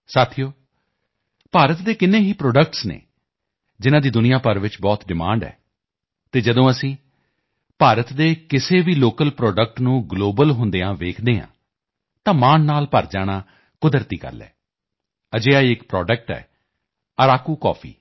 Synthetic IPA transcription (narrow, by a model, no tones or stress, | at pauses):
saːt̪ʰijoː | paːɾət̪d̪eːkɪnːẽːɦiːpɾɔːɖək̚ʈsnḛː | d͡ʒɪnãːd̪iːd̪ʊnɪjaːpəɾʋɪt͡ʃbɔːt̪ɖɪmã̰ːɳɖɛ̰ː | t̪eːd͡ʒəd̪õːəsĩː | paːɾət̪d̪eːkɪseːʋiːloːkəlpɾɔːɖək̚ʈnũːɡloːbəlɦʊnd̪eːãːʋeːkʰd̪eːɦã̰ː | t̪ãːmaːnnaːlpəɾd͡ʒaːɽ̃ãː | kʊd̪əɾt̪iːkə̰ɾlɛ̰ː | əd͡ʒeːaːiɪkpɾɔːɖək̚ʈɛ̰ː | əɾaːkuːkɔ̰ːpʰḭː